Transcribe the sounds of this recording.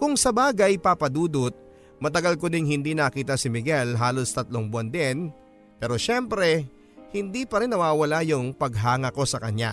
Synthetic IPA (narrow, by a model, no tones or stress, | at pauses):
kʊŋsɐbaːɡɐjpaːpɐd̪uːd̪ʊt̪̚ | mɐt̪ɐɡɐlkod̪ɪŋhɪnd̪inɐkiːt̪ɐsɪmɪɡɛlɦaːlo̞st̪ɐt̪loŋbʊɐnd̪ɛn | pɛːɾo̞ʃɛmpɾɛ | hɪnd̪ipɐɾɛnːɐwaːwɐlajʊŋpɐɡɦaːŋɐko̞sɐkɐɲja̰